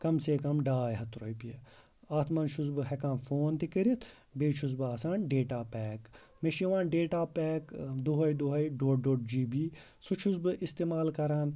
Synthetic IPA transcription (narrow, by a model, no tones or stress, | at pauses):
kɐmseːkɐmɖaːjɦɐt̪ɾoːjpie | aːt̪ʰmɐnʃuzbɨɦɛkãːnfoːnt̪ikiɾit̪ʰ | beːt͡ʃʰuz̬bɨaːsaːnɖeːʈaːpɛːk | meʃiʋãːnɖeːʈaːpɛːkd̪oɦɐjd̪oɦɐjɖoːʈ̚ɖoːʈ̚d͡ʒiːbiː | sut͡ʃʰuzbɨʔist̪eːmaːlkɐɾaːn